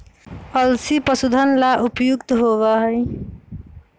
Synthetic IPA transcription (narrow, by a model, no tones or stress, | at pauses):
ʌlsipʌsud̪ʱʌnlaʔupjuɡt̪ɦoβʌɦʌj